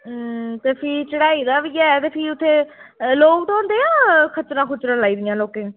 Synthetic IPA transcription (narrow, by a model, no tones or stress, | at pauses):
t̪eːpʰiːt͡ʃəɽaːiːd̪aːbiːɛːt̪eːpʰiːʊt̪ʰːeːloːkd̪õːnd̪eːãːkʰət͡ʃɾãːkʰʊt͡ʃɾãːlaːiːd̪ɪjãːloːkẽː